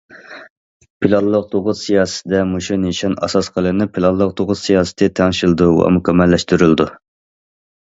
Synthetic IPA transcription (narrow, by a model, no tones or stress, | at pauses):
pʰilˠɑlːˠəq̚t̪ʰoʁʊzsijɑːst̪ɪd̪ɛmuʃuneʃɑnɑ̰sɑsqʰəlˠɨnɪpʰilˠɑnlːˠəq̚t̪ʰoʁʊzsijɑːsɨ̥t̪ʰɪt̪ʰɛŋɪʃild̪uwɑ̰mukʲʰɛmːɛlːɛʃt̪yɾyld̪u